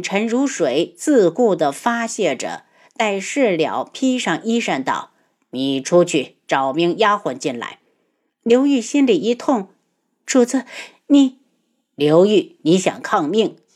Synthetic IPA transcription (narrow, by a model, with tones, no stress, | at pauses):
ʈ͡ʂʰə˧˥nɻu˧˥ʂwe˧˩˦ɪt͡sɹ̩˥˧ku˥˩d̪ə˩fa˥ɕjɛ˥˩ʈ͡ʂɤ̰˨˩ | t̪a˥˧ɪʂɻ̩˥˩ljɑ̰˨˩˦ʊpʰi˥ʂɑ˥˩ŋi˥ʂa˥˧nt̪ɑ˥˩ʊ | ni˨˩ʈ͡ʂʰu˥t͡ɕʰy˥˩ | ʈ͡ʂɑ˨˩ʊmi˧˥ŋja˥xwə˧˥nt͡ɕi˥˩nla̰˧˥ɪ | ljo˧˥ʊy˥˩ɕi˥nli˨˩i˧˥t̪ʰʊ˥˩ŋ | ʂu˧˩t͡sɹ̩˥˩ | ni˨˩˦ | ljo˧˥ʊy˥˩ni˧˥ɕjɑ̰˨˩ŋkʰɑ˥˧ŋmi˥˩ŋ